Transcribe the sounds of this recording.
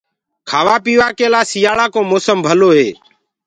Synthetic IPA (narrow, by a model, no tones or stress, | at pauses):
kʰaːʋaːpiːʋaːkeːlaːsɪjaːɭaːkõːmoːsəmbʱəloːɦeː